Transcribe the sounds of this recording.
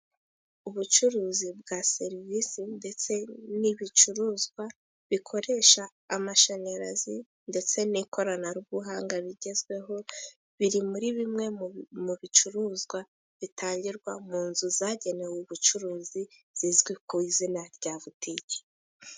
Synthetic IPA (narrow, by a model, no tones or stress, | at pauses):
uβut͡ʃuɾuːzib̚ɡase̞ɾivisinde̞t͡se̞niβit͡ʃuɾuːzɡwa | βikʰo̞ɾe̞ʃaː | maʃaɲaɾa̰zi | nde̞t͡se̞niko̞ɾanaɾuβuɦaːŋɡaβiɟe̞zɡwe̞ɦo̞ | βiɾimuɾiβimŋe̞muβit͡ʃuɾuːzɡwa | βitʰaːɲɟiɾɡwamuːnzuzaɟe̞newuβut͡ʃuɾuːzi | z̥izɡwikuizinaɾɟaːvutiɟe̥